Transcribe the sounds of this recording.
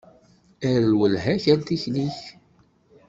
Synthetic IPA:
æɾlwəlɦæçænt̪içniç

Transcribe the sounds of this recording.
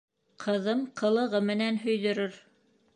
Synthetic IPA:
qʰɤ̆ðɤmqʰɤ̆lˠɤ̆ʁɤmɘ̆nænɦɵ̆jðɵ̆ɾɵɾ

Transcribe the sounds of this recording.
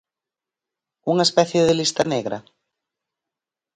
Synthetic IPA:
uŋaespɛθjeðɪlist̪ɐneɣɾɐ̰

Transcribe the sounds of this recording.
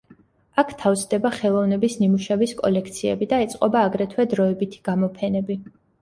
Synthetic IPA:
akʰt̪ʰavzd̪ɛbaχɛlˠɔvnɛbisnimuʃɛviskʼɔ̰lɛk̚ʰt̪sʰiɛ̰bid̪aɛt̪sʼqʼɔbaːɡɾɛt̪ʰwɛd̪ɾɔɛbit̪ʰi̥ɡ̥amɔpʰɛnɛbi

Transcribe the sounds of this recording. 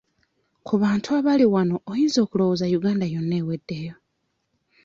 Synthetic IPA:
kʰuβaːntʰuaβaliwano̞ːjiːnzo̞ːkulo̞wozajuɡaːndajo̞nːeːwe̞dːe̞jo

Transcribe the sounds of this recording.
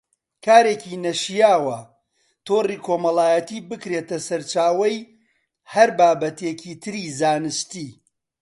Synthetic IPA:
kʰaːɾeːcinɐʃijaːwɐ | t̪ʰoːriːkʰoːmɐlaːjɐt̪iːbɨkɾeːt̪ɐsɐɾt͡ʃaːwɐj | hɐɾbaːbɐt̪ʰeciːt̪ʰɨɾiːzaːnɨʃt̪iː

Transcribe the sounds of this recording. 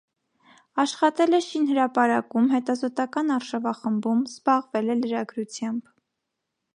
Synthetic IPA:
ɑʃχɑt̪ɛlɛʃinhəɾɑpɑɾɑkumɦɛt̪ɑzɔt̪ɑkɑnɑɾʃɑvɑχəmbumzbɑʁvɛlɛləɾɑɡɾut͡sʰjɑmb̥

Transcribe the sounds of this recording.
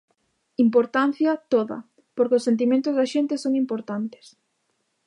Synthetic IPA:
impoɾt̪an̟θjɐt̪oðɐ̰ | poɾkɪʊsːent̪̬imẽnt̪ʊzðɐʃent̪esoŋimpoɾt̪ant̪e̥s

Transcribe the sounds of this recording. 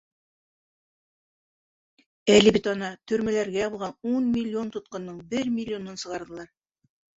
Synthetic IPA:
ælibɘt̪ɑnɑt̪ɵ̆ɾmælæɾɡæbŏlˠʁɑnunmʲɪlʲːo̞nt̪ŏt̪̚qɤ̆nːɤɴbɘɾmʲɪlʲːɪo̞nɤnsɤ̆ʁɑɾðɤ̆lˠɑɾ

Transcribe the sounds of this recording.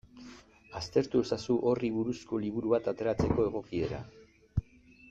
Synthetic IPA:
ast̪e̞ɾt̪ue̞sasuʔo̞riβuɾusko̞liβ̞uɾuβat̪at̪e̞ɾat͡se̞ko̞e̞ɣ̞o̞kie̞ɾa̰

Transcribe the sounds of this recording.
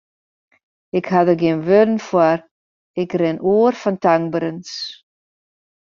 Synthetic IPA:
ɪkhadəɡiənʋødən̩fwar | ɪkrɪnuərfɔntaŋbɾəns

